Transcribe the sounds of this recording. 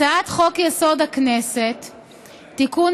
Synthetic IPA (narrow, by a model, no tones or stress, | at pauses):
aat̪χo̞kjeso̞dakneset̪ː | ikun